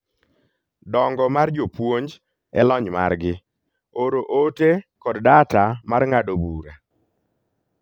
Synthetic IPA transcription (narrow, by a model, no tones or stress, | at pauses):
dɔŋɡɔmard͡ʒopwoɲd͡ʒ | ɛ̰lɔɲma̰rɡɪ | oɾoʔotekɔddatamarŋadobuɾa